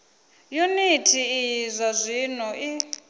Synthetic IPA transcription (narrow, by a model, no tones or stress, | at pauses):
junitʰiːzʷazʷinɔʔi